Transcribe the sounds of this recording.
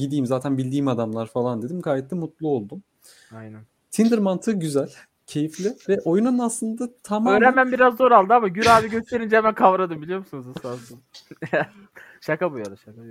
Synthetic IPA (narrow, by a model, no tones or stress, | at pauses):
ɟid̪iːmzaːt̪ʰænbilʲd̪iːimad̪amlˠaɾfalˠand̪e̞d̪imkʰaːjɛt̪lʲɛmut̪lˠuo̞lˠd̪um | ajnæn | t̪ʰind̪iɾmant̪ʰɯɟyzælʲ | cʰe̞jiflʲɪvɛʔo̞jununaslˠɯnd̪at̪ʰamaøɾɛmænbiɾazd̪oɾalˠd̪ɯamaɟyɾaːviɟø̞st̪ʰe̞ɾind͡ʒɛhɛmænkʰavɾad̪ɯmbilʲijo̞ɾmusunuzasasɯm | ʃakabujaɾaʃak